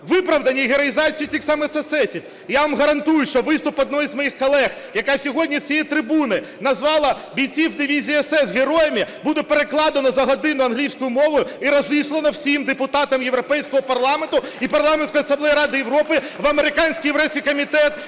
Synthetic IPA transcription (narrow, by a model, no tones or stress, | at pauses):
ʋɪpɾɐʋd̪ɐnʲːiɦeɾɐjizɑt͡sʲijitʲixsɑmesɛsɛsʲif | jaʋamɦɐɾɐnt̪ujʊʃt͡ʃɔʋɪst̪ʊpɔd̪̚nɔjizmɔjixkɔlˠɛɣ | jɐkɑsʲɔɦɔdʲnʲit͡sʲijɛt̪ɾɪbunɪ | nɐzʋɑlˠɐ | bʲijt͡sʲiwd̪ɪʋʲizʲiːɛsɛsɣeɾɔjɛmʲibud̪ɛpeɾeklˠɑd̪ɐnɐzɐɦɐd̪ɪnʊɐnɦlʲiwsʲkʊjʊmɔʋʊjʊiɾɐzislˠɐnɐwsʲimd̪epʊt̪ɑt̪ɐmjeʋɾɔpɛjsʲkɔɦɔpɐrlˠɑment̪ʊipɐrlˠɑmensʲkɔjɐsɐmblˠɛjiɾɑd̪ɪjeʋɾɔpɪʋɐmeɾɪkɑnʲsʲkʲijeɾɛsʲkʲijkɔmʲit̪ɛt̪